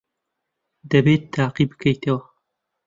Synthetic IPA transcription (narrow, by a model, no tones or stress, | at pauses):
d̪ɐbeːt̪ʰːaːqibɨ̥kʰɐjt̪ɐwɐ